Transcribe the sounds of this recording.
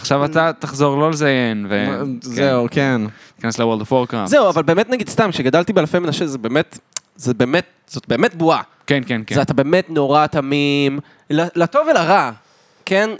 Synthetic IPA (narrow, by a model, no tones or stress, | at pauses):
aχʃavat̪ataχzo̞ʁlo̞lezajenvezeuken | i̥kaneslewoldofoʁkʁa̰zeuavalbe̞ːmetnaɡid̪̥st̪amkʃeɡad̪alt̪ibealfejmenaʃezebe̞ːmet | zebe̞ːmet | z̥o̞t̚beːme̞t̚bua | kenkenkezatabe̞ːme̞tno̞ʁatamim | lalato̞velaʁa | ken